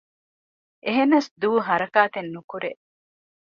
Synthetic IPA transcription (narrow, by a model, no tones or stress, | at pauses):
ʔeɦenːɐsd̪uːɦɐɾɐkaːt̪enːukuɾeʔ